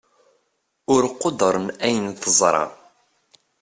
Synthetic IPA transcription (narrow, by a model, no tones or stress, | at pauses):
ʊɾqːod̪əɾˤənæjənθəzˤɾˤɑ̰